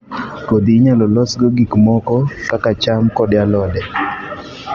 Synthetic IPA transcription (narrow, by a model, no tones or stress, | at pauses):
kod̪iɲalɔlɔsɡɔɡikmɔkɔkakat͡ʃamkɔdjalɔdɛ